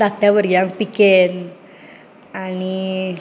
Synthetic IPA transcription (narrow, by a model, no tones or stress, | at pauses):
at̪ɛwərjaŋpikɪn | ani